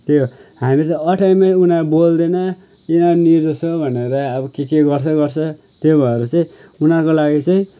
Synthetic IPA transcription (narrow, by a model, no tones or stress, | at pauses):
t̪joɦamilet̪ʌʌʈʰajmeʈunabold̪enʌ | inʌniɾd͡zʌsʰobʱʌneɾʌːbʌkekeɡʌrt͡sʰʌɡʌrt͡sʰʌ | t̪jobʱʌeɾut͡sʌĩunakolaɡit͡saĩ